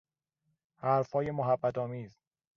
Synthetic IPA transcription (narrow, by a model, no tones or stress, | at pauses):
hæɾfhɒːje̞moɦæbːæt̪ɒːmiːz